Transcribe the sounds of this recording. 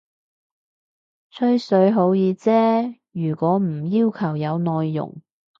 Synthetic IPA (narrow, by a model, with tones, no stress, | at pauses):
t͡ʃʰɵ˥ɥsɵ˨˥ɥɦo˨˥wjiː˨˧t͡sɛː˥ | jyː˨˩kʷɔː˨˥m̩˨˩jiː˥wkʰɐ˨˩wjɐ˨˧wnɔː˨˧jːʊ̰˨˩ŋ